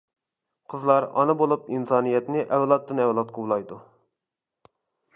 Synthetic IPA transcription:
qʰəzlˠɑɾɑ̰nɨbolˠupinsɑːnijɛt̪nɪʔɛwlˠɑt̪ːɨnɛwlˠɑt̪̚qʰowlˠɑjd̪u

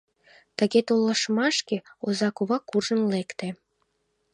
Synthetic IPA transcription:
t̪ə̆ɣet̪olːəʃmɑʃkeozɑkuβɑkːurʒənlekt̪e

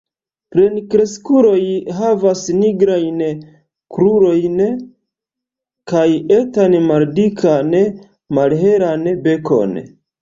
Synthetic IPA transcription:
pɾenkɾe̞skuɾo̞jɦavasniɡɾajn | kɾuɾo̞jn | kajetanmaldikʰan | malɦe̞ɾanbe̞ko̞̰n

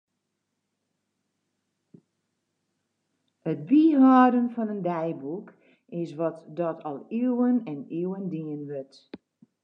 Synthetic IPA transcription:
ət̚biɦɔːdənfɔnəndɛjbuk | ɪsʋɔtdɔtʰɔlˠiwənɛniwəndiənʋøt

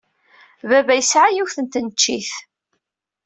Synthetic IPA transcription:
vævæjəsʕajiwθənt̪ənət͡ʃːiθ

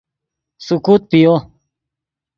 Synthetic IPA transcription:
sukuːt̪̚pijo

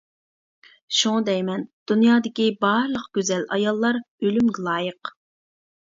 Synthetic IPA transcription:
ʃuŋd̪ɛjmɛnd̪̥unjɑːd̪ɪkʲibɑɾlˠəqɡ̥ʲøzɛlɑ̰jɑlˠːɑɾ | ølymɡʲɛlˠɑːjəq

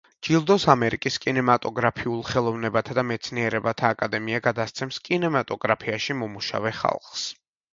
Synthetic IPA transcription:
d͡ʒilˠd̪ɔsamɛɾikʼiskʼinɛmat̪ʼɔɡɾapʰiulˠχɛlˠɔvnɛbat̪ʰad̪amɛt̪sʰniɛɾɛbat̪ʰaːkʼad̪ɛmiaɡad̪ast̪sʰɛmskʼinɛmat̪ʼɔɡɾapʰiaʃimɔmuʃa̰vɛχa̰lˠχs

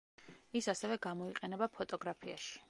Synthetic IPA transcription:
isasɛvɛɡamɔiqʼɛnɛbapʰɔt̪ʼɔɡɾapʰiaʃi̥

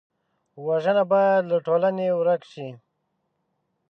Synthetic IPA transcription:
waʒənabajad̪ləʈolanewɾakʃi

